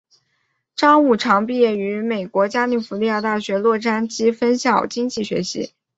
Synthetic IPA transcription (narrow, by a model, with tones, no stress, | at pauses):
ʈ͡ʂɑ˥ŋu˥˩ʈ͡ʂʰɑ˧˥ŋpi˥˧jɛ˥˩y˧˥me˨˩ɪkwɔ˧˥t͡ɕja˥li˨˩fu˧˥li˥˧ja˥˧t̪a˥˩ɕɥɛ˧˥lwɔ˥˧ʈ͡ʂa˥nt͡ɕi˥fə˥nɕjɑ˥˩ʊt͡ɕi˥ŋt͡ɕi˥˩ɕɥɛ̰˧˥ɕḭ˧˥